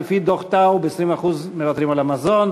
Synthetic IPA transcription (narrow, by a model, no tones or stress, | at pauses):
fid̪oχt̪awbeesʁimaχuzme̞vat̪ʁimalamazon